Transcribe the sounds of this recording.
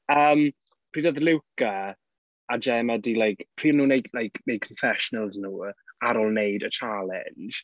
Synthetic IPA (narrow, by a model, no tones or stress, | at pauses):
əːm | pʰr̥iːdəðlɪwka | ad͡ʒɛmadilajkpʰriːnuːnejdlajkʰmej̚kʰɔnfɛʃɔnəlˠznuːaɾɔlˠnejdət͡ʃʰalˠɛ̰nd͡ʒ̥